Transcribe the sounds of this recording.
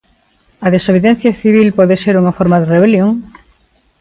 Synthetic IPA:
ɐðesoβ̞eðen̟θjaθiβ̞ilpɔðeseɾuŋafoɾmaðereβeljoŋ

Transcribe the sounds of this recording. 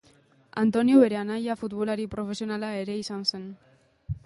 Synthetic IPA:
a̰nt̪o̞niuβe̞ɾeanajafut̪βolaɾipɾo̞fe̞sio̞nalae̞ɾe̞isanse̞n

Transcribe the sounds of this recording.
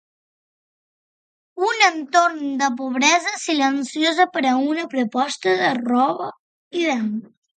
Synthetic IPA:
unənt̪oɾnd̪əp̬uβ̞ɾɛzəsilənsijozəpəɾəunəpɾupɔst̪əðərɔβə | iðɛn

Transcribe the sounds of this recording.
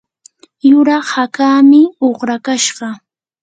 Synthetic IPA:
jʊɾɑχhakaːmɪoχɾakaʃɢɑ

